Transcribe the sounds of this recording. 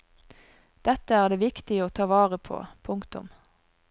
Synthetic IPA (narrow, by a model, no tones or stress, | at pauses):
d̪̥ɛt̪əæːʁd̪eːʋɪkt̪ɪəoːt̪ʰɑːʋɑːʁəpʰo̰ːpʰʊŋkt̪ʊ̰m